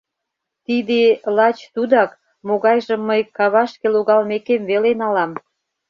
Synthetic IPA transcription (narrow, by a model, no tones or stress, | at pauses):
t̪id̪elɑt͡ɕt̪ud̪ɑk | moɣɑjʒə̆mːəjkɑβɑʃkeloɣɑlmekemvelenɑlɑm